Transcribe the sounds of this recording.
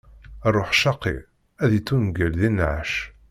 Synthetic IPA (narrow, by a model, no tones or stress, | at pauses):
rˤːoħʃɑqːḭ | æðit͡sːunɡəlðinʕaʃ